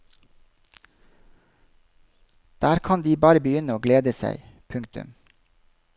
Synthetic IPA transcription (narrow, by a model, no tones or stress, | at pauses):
d̪̥æːɾkʰɑnd̪iːbɑːɾəbəjʏnəoːɡleːd̪əsæ̰ɪ | pʰʉŋkt̪ʉ̰m